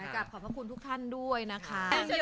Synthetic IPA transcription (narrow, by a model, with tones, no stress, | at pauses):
ka˨˩p̚kʰɔː˩pʰa˥kʰu˧nt̪ʰu˦˥kt̪ʰa˥˩ndu˥˩əjna˦˥kʰa˦˥˧